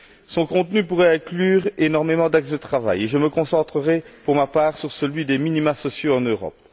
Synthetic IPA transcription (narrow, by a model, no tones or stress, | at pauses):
sɔ̃kɔ̃t̪nypuʁɛɛ̃klyːʁenɔʁmemɑ̃d̪aksd̪ət̪χava̰jeʒəməkɔ̃sɑ̃t̪χəʁɛpuʁmapaːʁsyʁsəlɥid̪eminimasɔsjoɑ̃nøʁɔ̰p